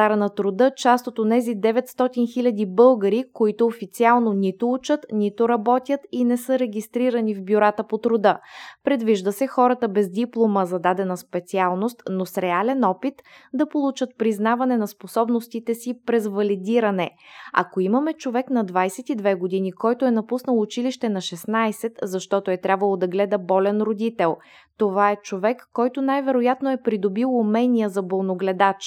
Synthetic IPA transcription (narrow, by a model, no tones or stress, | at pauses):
zaɾənɐt̪ɾod̪ɤt͡ʃast̪ot̪onɛzid̪ɛvɛt̪st̪ɔt̪inxilʲəd̪ibɤlˠɡəɾikoit̪ʊːfit̪sialˠnonit̪ʊut͡ʃət̪nit̪ʊɾɐbɔt̪ʲjət̪inɛsɤɾɛɡʲist̪ɾiɾənivbʲjʊɾat̪əpot̪ɾod̪əpɾɛd̪viʒd̪əsɛxɔɾət̪əbɛzd̪iplˠoməzɐd̪ad̪ɛnəspɛt̪sialˠnost̪nosɾɛalɛnɔpit̪d̪ɐpolˠut͡ʃət̪̚pɾiznavɐnɛnɐsposɔbnost̪it̪ɛsipɾɛzvɐlid̪iɾɐnɛɐ̰koimɐmɛt͡ʃovɛkn̪ɐd̪vajsɛt̪id̪vɛɡod̪inikɔjt̪oɛnɐpusnəlˠʊt͡ʃiliʃt̪ɛnɐʃɛsnajsɛt̪zɐʃt̪ɔt̪oɛt̪ɾʲabvəlˠod̪ɐɡlɛd̪əbɔlʲɛnɾod̪it̪ɛlˠ | t̪ovaɛt͡ʃovɛkːɔjt̪onajvɛɾojat̪noɛpɾid̪obilˠumɛnʲijəzɐbolˠnoɡlɛd̪at͡ʃ